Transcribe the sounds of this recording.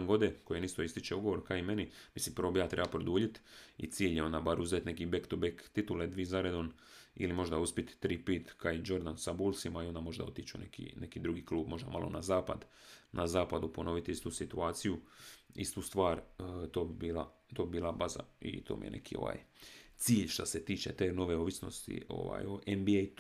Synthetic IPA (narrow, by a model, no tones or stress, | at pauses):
ŋɡo̞d̪eko̞jenist̪o̞ist̪it͡ʃeuɡo̞ʋo̞ɾkaimenimislimpəɾʋo̞bijaːt̪ɾe̞bapɾod̪uːʎit̪ḭt̪siːʎjeo̞nd̪abaɾuzet̪nekibekt̪obekt̪it̪uled̪ʋizaɾed̪on | ḭlimo̞ʒd̪auspit̪ːɾiːpit̪kaid͡ʒo̞ɾd̪ansabulˠsimaio̞nd̪amo̞ʒd̪a̰o̞t̪it͡ʃṵnḛkḭnekid̪ɾuɡikluːbmo̞ʒd̪amalʔo̞̰nazaːpa̰d̪nʔazaːpad̪upo̞no̞ʋit̪ist̪usit̪uaːt̪sijuḭst̪ust̪ʋaːɾt̪oːbibiːlˠa̰ | t̪oːbibiːlabaza̰ḭt̪ʰo̞̰ːmḭjḛnʔḛkʰio̰ʋa̰ːj | t̪siːʎʃt̪aset̪iːt͡ʃe̞̰t̪eːno̞ʋe̞oʋisno̞̰st̪ḭo̰ʋa̰ːjoʔembiej̪